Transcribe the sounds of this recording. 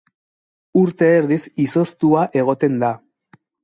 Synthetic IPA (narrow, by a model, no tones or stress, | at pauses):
uɾt̪e̞ːɾðisiso̞st̪uaʔe̞ɣ̞o̞t̪e̞nd̪a